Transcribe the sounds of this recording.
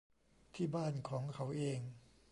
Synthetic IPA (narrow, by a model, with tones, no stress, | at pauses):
t̪ʰiː˥˩baː˥˩nkʰɔː˩˦ŋkʰa˩˦˥wʔeː˧ŋ